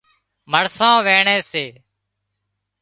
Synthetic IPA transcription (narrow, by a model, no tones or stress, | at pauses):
məɽsãːʋeːɳeːseː